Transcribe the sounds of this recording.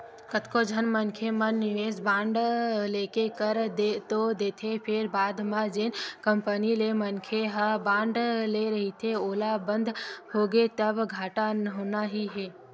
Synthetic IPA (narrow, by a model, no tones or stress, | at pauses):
kət̪kod͡ʒʱənmənkʰemənnɪʋeːsbãːɳɖleːkekəɾd̪et̪od̪eːt̪ʰepʰɪɾbaːd̪mad͡ʒenkəmpənilemənkʰeɦabãːɳɖleɾəɦit̪ʰeoːlabənd̪ʱhoɡet̪əbɡʱaːʈanəɦoːnaɦiɦeː